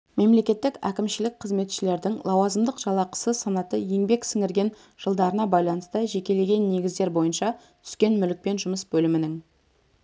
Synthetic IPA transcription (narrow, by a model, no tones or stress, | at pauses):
me̞mle̞kʲe̞t̪ːɪkækʲɪmʃɪlɪk̚qʰəzme̞t̪ʃɪle̞ɾd̪ɪŋlˠɑwɑzəmd̪əqʒɑlˠɑqə̥səsɑnɑt̪əje̞ŋbe̞ksɪŋɪɾɡʲe̞n | ʒ̥əlˠd̪ɑɾənɑbɑjlˠɑnəst̪əʒe̞kʲe̞le̞ɡʲe̞nːe̞ɡʲɪzd̪e̞ɾbo̞jənʃɑ | t̪ʰʏ̥skʲe̞nmʏlɪk̚pe̞nʒʊməsbɵlɪmɪnɪŋ